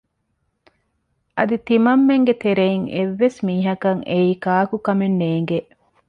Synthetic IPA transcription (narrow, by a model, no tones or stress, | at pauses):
ʔɐd̪it̪imɐmːeŋɡet̪eɾeiŋḛʋːesmiːɦɐkɐŋeiːkaːkukɐmenːeːŋ̆ɡeʔ